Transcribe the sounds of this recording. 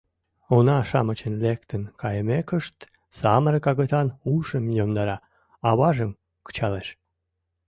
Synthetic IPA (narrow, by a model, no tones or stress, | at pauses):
onɑʃɑmət͡ɕənlekt̪ənkʰɑjəmekəʃt̪ | sɑməɾkɑɣət̪ɑnuʃəmjomd̪ɑɾɑ | ɑβɑʒəm | kə̥t͡ɕɑleʃ